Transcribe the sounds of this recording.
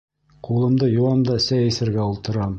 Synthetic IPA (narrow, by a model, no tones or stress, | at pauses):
qulˠɤ̆md̪ɤjuwɑmd̪ɑsæjɘ̆sɘ̆ɾɡæulˠt̪ɤ̆ɾɑm